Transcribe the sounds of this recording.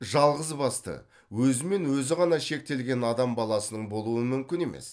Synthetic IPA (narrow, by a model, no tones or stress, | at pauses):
ʒɑlˠʁəzbɑst̪ə̰ | wɵzɪme̞nwɵzɪʁɑnɑʃe̞k̚t̪e̞lɡʲe̞nɑd̪ɑmbɑlˠɑsənəɴbo̞lˠuəmʏmkʲɪne̞mʔe̞̰s